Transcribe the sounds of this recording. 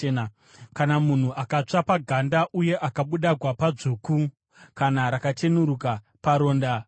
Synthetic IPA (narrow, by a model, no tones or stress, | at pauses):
n | kanamun̤uʔakat͡ʂapaɡʱandaʔuje̞ʔakaɓuɗaɡʱwapad͡zuku | kanaɾakatenuɾuka | paɾo̞ːnda